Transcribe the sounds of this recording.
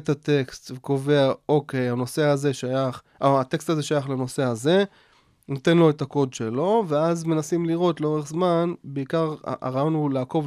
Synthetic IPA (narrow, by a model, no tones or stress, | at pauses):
t̪at̪e̞kst̪veko̞ve̞aoke̞jano̞seaze̞ʃajaχ | ʔoat̪e̞kst̪aze̞ʃajaχlano̞se̞aze̞ | not̪e̞nlo̞etako̞dʃelo̞veazme̞nasimliʁo̞tleo̞ʁe̞χzmanbeikaʁ̰ʔa̰ʁajo̞nulaːko̞v